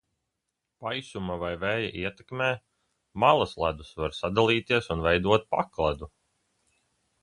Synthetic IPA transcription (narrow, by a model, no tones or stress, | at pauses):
pajsumavajvɛːja̰ʔiɛt̪ɛkmɛː | malˠaslˠad̪usvaɾsad̪alˠiːt̪iɛsunvɛjd̪uɔt̪̚pa̰klˠad̪u